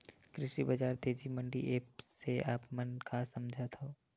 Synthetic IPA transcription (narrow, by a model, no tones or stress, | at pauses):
kɾɪʃibɐd͡ʒaːɾt̪eːd͡ʒimə̃ɳɖḭʔeːpseaːpmənkʰasɐmd͡ʒʱat̪ʰoː